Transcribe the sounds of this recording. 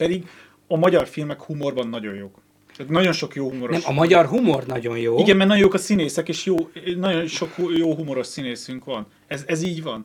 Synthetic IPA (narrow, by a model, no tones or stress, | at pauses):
pɛd̪iɡ | ɒmɒɟɒrfilmɛkhumo̞rbɒnːɒɟo̞̰joːk̪ | ɛt̪nɒɟo̞nʃo̞kjoːhumoɾoɛmʃɒmɒɟɒrɦumornɒɟo̞njoːiɡɛnmɛrnɒjojoːkɒsineːsɛkeːʃjoːnɒɟo̞nʃo̞kjoːɦumo̞ɾo̞ʃsineːsyŋkʋɒn | ɛzɛziːɟvɒn